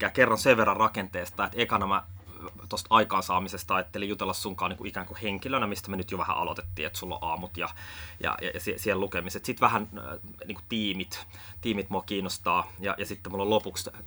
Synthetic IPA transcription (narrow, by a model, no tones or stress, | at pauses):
kæːkerːɑnseʋʋerːɑrɑkent̪eːst̪ɑːet̪ekɑnɑmæt̪ost̪ɑikɑːnsɑːmisest̪ɑet̪ːeleijut̪elːɑssuŋkɑːniːŋkuʔikæːŋkuheŋkilønæmist̪æmenyt̪joʋæhæ̰ʔɑ̰lo̰t̪e̥t̪ːḭːet̪sulːo̰ʔɑːmut̪jɑ̰jɑ̰jɑ̰jɑsisihellukemiset̪sit̪ʋæhæn | niːŋkut̪iːmit̪ | t̪iːmit̪muɑkiːnost̪ɑːjɑ̰jɑsit̪ːemulːolopuks